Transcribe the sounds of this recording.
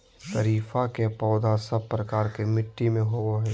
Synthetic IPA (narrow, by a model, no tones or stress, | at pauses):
t̪əɾiːfakepɔːd̪asəb̚pɾɐkaːɾkemɪʈːimẽɦooɦɛː